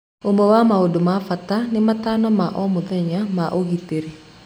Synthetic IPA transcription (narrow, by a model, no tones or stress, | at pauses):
umɔwamaudumafat̪animat̪anɔmaʔɔmud̪eɲamaʔuɡit̪iɾi